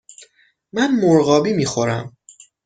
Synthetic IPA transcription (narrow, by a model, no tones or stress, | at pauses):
mænmoɾɣɒːbiːmiːxo̞ɾæm